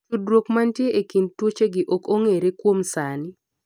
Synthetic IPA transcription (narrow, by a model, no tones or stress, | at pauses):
udɾwokmantjeʔekintwot͡ʃeɡɪʔokoŋeɾekwomsanɪ